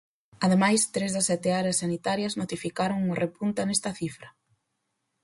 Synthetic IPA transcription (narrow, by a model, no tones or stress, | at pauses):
ɐðemajst̪ɾezðɐsːɛt̪eaɾeasːanit̪aɾjɐznot̪ifikaɾoŋʊrepunt̪anest̪ɐθifɾɐ